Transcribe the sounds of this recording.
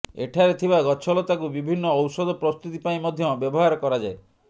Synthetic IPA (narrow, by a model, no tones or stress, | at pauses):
ḛʈʰaɾet̪ʰibaɡɔt͡ʃʰɔlɔt̪akubibʱinːɔːwsɔd̪ɔpɾɔst̪ut̪ipaĩmɔd̪ʱjɔbjɔbɔɦaɾɔkɔɾad͡ʒae